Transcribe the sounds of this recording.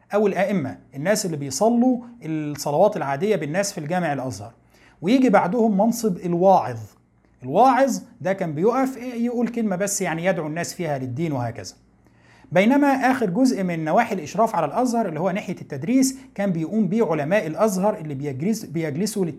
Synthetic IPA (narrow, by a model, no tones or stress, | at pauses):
ʔæwelʔæʔɪmːæ̰ʔenːæːsʔelːibejsˤɑlːuʔelsˤɑlɑwɑːt̪elʕaːd̪ɪjːæbɪnːæːsfilɡæːmeʕelʔæzhɑ̰ɾˤ | wejiːɡibaʕd̪ʊhʊmːɑnsˤɨbelwɑːʕeðˤ | ʔelwɑːʕezˤd̪ækæːmbɪjoʔæfjeʔuːlkelmæbæsːjaʕnijæd̪ʕunːæːsfiːhælɪd̪ːiːnwehæ̰ːkæ̰zæ̥ | bejnæmæʔæːxeɾɡozʔmɪnːæwaːħelʔeʃɾˤɑːfʕalælʔæzhɑɾˤʔelːihowːæneħjæt̪ːæd̪ɾiːskæːmbɪjʔuːmbiːʕolæmæːʔelʔæzhɑɾˤʔelːibbejæɡlɪsulɪ